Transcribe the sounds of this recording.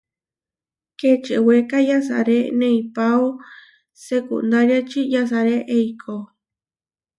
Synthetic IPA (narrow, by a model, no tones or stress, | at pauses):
ket͡ʃewekajas̬a̰ɾenẽipawo | sekṵnd̪aɾjat͡ʃijas̬aɾeʔejkʰo